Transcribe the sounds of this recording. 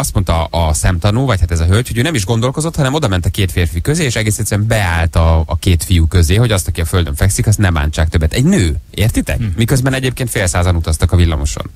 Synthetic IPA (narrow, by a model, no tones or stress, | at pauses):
ɒst̪mo̞nt̪ɒɒsɛmt̪ɒnuːvɒchat̪ɛzɒɦølcho̞ɟøːnɛmiʒɡo̞nd̪o̞lko̞zo̞t̪hɒnɛmo̞d̪ɒmɛnt̪ɒkeːt̪feːrfikøzeːʃɛɡeːsɛt̪sɛɛmbɛaːlt̪ɒːkeːt̪fijukø̞zeːɦo̞ɟɒst̪ɒkiɒføld̪ø̰ɱfɛksikɒs̬t̪nɛmba̰ːnt͡ʃaːk̚t̪øbːɛt̪ɛɟnøːeːrt̪it̪ɛ̰kmikøzbɛnɛɟeːp̚keːnt̪feːlsaːzɒnut̪ɒst̪ɒkɒvilːɒ̰mo̞̰ʃo̰n